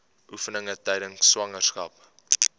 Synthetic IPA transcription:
ʔufənəŋətɛjdəŋswɐŋərskɐp̚

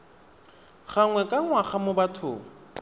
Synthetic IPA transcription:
χaŋwɛkʼaŋwaχamʊbatʰʊ̰ː

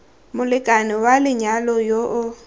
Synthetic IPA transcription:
mʊlɪkʼanɪwalɪɲalɔjoʔʊ

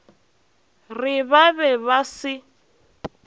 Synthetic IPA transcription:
rɪβabɛβasɪ

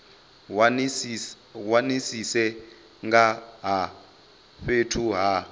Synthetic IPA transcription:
wanisisɛ | ŋɡaɦa | ɸetʰuɦa

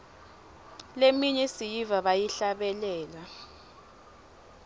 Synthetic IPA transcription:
lemiɲɛsijivaɓajiɬaɓɛlɛːla

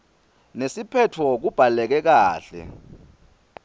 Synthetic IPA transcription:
nesipʰɛtʰwɔk̬ub̥ʱalɛk̬ɛk̬aːɬɛ̰

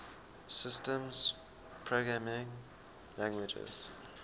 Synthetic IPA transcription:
sɪstə̃mz̥ | pʰɹoɡɹamɪ̃ŋ | læ̃ŋɡwɪd͡ʒə̰z̥

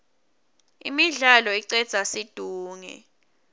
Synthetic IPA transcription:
ḭmiɮalɔiǀɛ̥z̥ʱasid̥ʱuːŋɛ̰

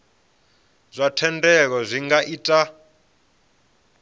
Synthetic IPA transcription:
zʷatʰɛndɛk̬ɔzʷiŋɡaʔitʼa

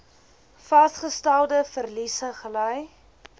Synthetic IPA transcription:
fɐstχəstælˠdəfərlisəχələj

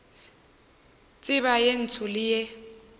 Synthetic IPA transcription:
t͡sʼɪβajen̩t͡sʰʊlɪje

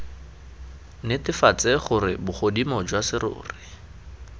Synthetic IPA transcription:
nɪtɪfat͡seχʊrɪbʊχodimɔd͡ʒwasɪɾʊ̰ːrɪ

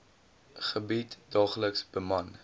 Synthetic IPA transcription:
χəbitdɑːχləksb̥əmɐn

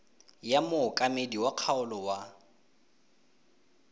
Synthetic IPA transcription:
jamʊkʼamediwaq͡χʰaʊlɔwa

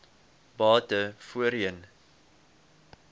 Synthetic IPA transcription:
bɑːtəfuəɾiən

